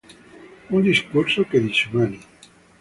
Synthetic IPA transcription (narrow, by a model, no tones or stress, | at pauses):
und̪iskuɾsokeðit͡ʃemani